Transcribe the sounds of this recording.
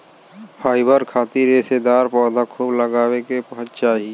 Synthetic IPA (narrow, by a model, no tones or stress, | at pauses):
pʰaːɪbəɾkʰaːt̪iɾeːsed̪aːɾpɔːd̪akʰuːbləɡaːwekepɐɦʊt̪t͡ʃaːɦi